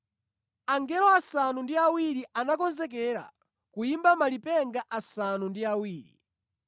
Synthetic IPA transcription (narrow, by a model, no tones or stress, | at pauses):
aŋɡɛlɔasanundiawiɾiʔanakɔnzɛk̬ɛɾa̰ | kuimbamalipɛŋɡaʔasanundiawiːɾḭ